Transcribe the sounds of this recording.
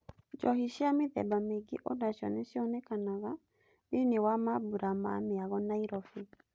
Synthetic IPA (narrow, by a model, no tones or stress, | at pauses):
d͡ʒɔhiʃiamɪðɛ̰bameɡḭʔɔdaʃɔ̰nɛʃiɔnɛkanaɣa | biniwamabuɾama̰mɪaɣɔnaiɾɔfi